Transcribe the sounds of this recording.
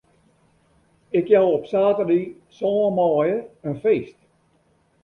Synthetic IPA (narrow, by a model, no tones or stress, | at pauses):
ɪkjawɔpsaːtəri | sɔːəmɔːjəənfeːst